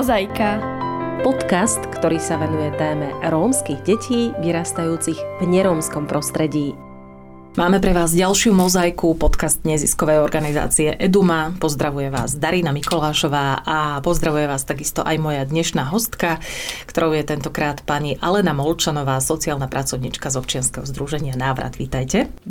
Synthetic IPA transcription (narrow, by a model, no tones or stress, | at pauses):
zajkapɔt̪kast̪kt̪ɔɾiːsaʋɛnujɛt̪ɛːmɛɾɔːmskiɣɟɛcʰiːʋiɾaːst̪ajuːt͡siɣvɲɛɾɔːmskɔmpɾɔst̪ɾɛɟiː | maːmɛpɾɛʋaːzɟalʃɪumɔzajkupɔt̪kazt̪ɲɛziskɔʋɛjɔɾɡaniza̰ːt͡siɛʔɛd̪umapɔzd̪ɾaʋujɛʋa̰ːzd̪aɾinamikɔlaːʃɔʋaːʔapɔzd̪ɾaʋujɛʋaːst̪aɡist̪ɔʔajmɔjad̪ɲɛʃnaːɦɔst̪kakt̪ɔɾɔʊjɛt̪ɛnt̪ɔkɾaːt̪paɲiʔalɛnamɔlt͡ʃanɔʋaːsɔt͡siaːlnapɾat͡sɔʊɲiːt͡ʃkazɔpt͡ʃɪanskɛɦɔzd̪ɾuʒɛɲɪanaːʋɾa̰d̪ʋit̪ajcɛ